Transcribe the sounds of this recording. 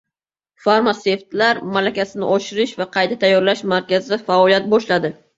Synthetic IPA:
faɾmase̞ft̪laɾmalakʲasɪnɪ̰ʔɒʃɪɾɪʃvaqʰɑjt̪ʰat̪ʰajːɒɾlaʃmaɾkʲazɪfaɒljat̪̚bɒʃlad̪ɪ

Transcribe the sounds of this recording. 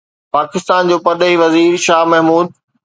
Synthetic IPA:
paːkɪst̪aːnd͡ʑoːpɐd̪əiʋɐziːɾʃaːɦmɐɦmuːd̪̚

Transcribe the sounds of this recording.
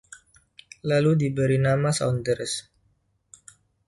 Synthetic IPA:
laludibəɾinamasa̰wndəɾs

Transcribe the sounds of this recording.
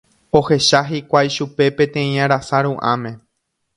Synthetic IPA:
o̞he̞ʃaɦikʷajʃupe̞pẽ̞t̪ẽĩãɾasaɾũʔã̰mẽ̞

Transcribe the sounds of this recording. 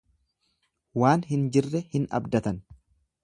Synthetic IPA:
waːnɦɪnd͡ʒɪrːɛhɪnɐ̰bd̪ɐt̪ɐn

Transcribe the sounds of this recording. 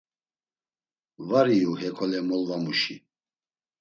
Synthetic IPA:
vaɾiuhɛkʰɔlɛmɔlvamuʃi

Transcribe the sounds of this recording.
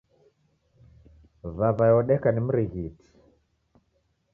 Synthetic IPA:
vaβajɔɗɛkanim̩ɾiɣiti̥

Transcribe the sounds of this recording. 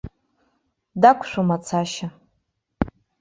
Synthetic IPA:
dakʷʰʃʷᶣomat͡sʰaʃa

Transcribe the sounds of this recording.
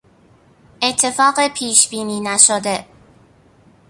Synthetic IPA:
ʔet̪ʰːe̞fɒːɢepʰiːʃb̥iːniːnæʃod̪e

